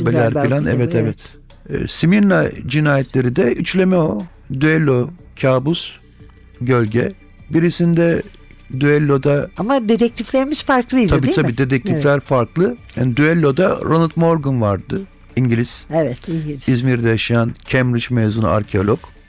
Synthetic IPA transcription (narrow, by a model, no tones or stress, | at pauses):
belʲæɾbilʲænɛ̰vɛt̪ʰɛvɛt̪ː | simiɾnad͡ʒinaːjɛt̪ʰlʲe̞ɾid̪ɛyt͡ʃlʲe̞mɛo | d̪yɛlʲːo̞ | cʰaːbus | ɟø̞lʲɟɛ | biɾisind̪ɛ | d̪yɛlʲːo̞d̪aamad̪et̪ɛc̚t̪ʰiflʲeɾimiz̥faɾklˠɯiabiːt̪ʰaiːd̪ed̪ʰɛc̚t̪ʰiflʲæɾfaɾklˠɯha̰nid̪yɛlʲːo̞d̪aɾonat̪moɾɡunvaɾd̪ɯ | iɲɟilʲiz̥ɛvɛt̪izmiɾd̪ɛjaʃajancʰɛmɾit͡ʃmezun̰a̰ɾcʰeo̞lʲˠok